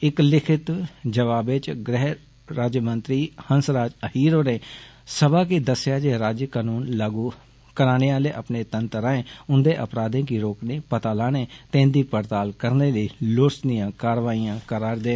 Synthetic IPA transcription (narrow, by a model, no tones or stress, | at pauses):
ɪklɪkʰɪt̪d͡ʒəʋaːbɪt͡ʃɡɾɛː | ɾaːd͡ʒmənt̪ɾiːhənsɾaːd͡ʒəhiːɾoːɾeː | səbaːkɪd̪əsɪjaːd͡ʒeːɾaːd͡ʒjkaːnuːnlaɡuː | kəɾaːneːaːleːʔəpneːt̪ənt̪ɾãːẽːʊnd̪eːʔə̰pɾaːd̪ẽːk̬iɾoːkneːpət̪aːlaːnẽːt̪ẽːnd̪iːpəɾt̪aːlkəɾneːləiːloːɾsd̪ɪjãːkaːɾʋaːiːjãːkəɾaːɾd̪eː